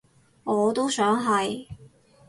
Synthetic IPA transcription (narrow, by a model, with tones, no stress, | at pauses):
ŋɔː˨˧t̪o˥wsœː˨˥ŋɦɐ˨j